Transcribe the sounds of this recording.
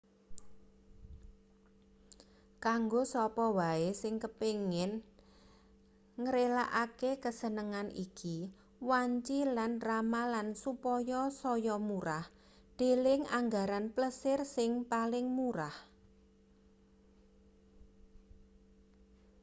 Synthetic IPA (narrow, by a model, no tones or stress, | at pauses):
kaŋɡosɔpɔwaesɪŋkəpeŋɪn | ŋəɾelaʔakekəsənəŋanʔḭki | waɲt͡ʃilanramalansupɔjɔsɔjɔmuɾah | d̪̥e̤lɪŋaŋɡaɾanpləsɪrsɪŋpalɪŋmuɾah